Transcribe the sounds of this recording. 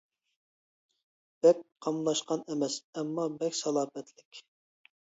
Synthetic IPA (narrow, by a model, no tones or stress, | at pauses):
b̥ɛk̚ʲqʰɑmlˠɑʃqɑnɛmɛsɛmːɑbɛkʲsɑlˠɑːmɛt̪ʰlɪkʲ